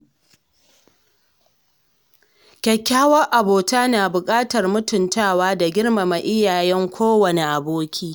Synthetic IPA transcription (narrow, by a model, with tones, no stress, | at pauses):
kʲɐ˨kʲːaː˦wɐ˦rʔa˨boː˨taː˦naː˨bʊ˨kʼaː˦tɐ˨rmʊ˦tʊ˨ntaː˦˨waː˦da˨ɡʲɪ˦rma˨ma˨ʔɪ˦jaː˨jɛ˦ŋkʷʰoː˦wɐ˨ne˨ʔa˨boː˦kʲʰiː˦